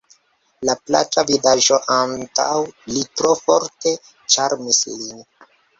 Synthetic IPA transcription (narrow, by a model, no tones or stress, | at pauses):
lapla̰t͡ʃavidaʒo̞ʔanta̰wlitɾo̞fo̞ɾte̞ | t͡ʃaɾmislin